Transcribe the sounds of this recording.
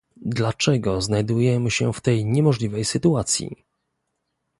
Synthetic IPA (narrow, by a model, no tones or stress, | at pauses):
d̪lat͡ʂɛɡɔznajd̪ujɛmɘɕɛft̪ɛjɲɛmɔʐlʲivɛjsɘt̪uat̪sʲjḭ